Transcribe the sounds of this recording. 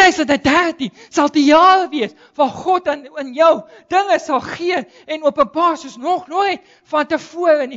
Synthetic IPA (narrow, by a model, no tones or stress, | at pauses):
əjsətədærtin | sɐlˠdijɑːɾəviəs | vɑːχɔtənənjəw | d̥əŋəsɐlˠχiə | ɛnuəpənbɑːrsuəsnɔχnuəjt̚ | fɐntəfuəɾəni